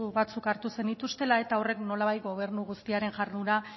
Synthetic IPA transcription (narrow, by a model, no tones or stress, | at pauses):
uβat͡sukaɾt̪use̞nit̪ust̪e̞lae̞t̪ao̞re̞kno̞laβajt̪̚ɡo̞β̞e̞ɾnuɣust̪iaɾe̞nʝarnuɾa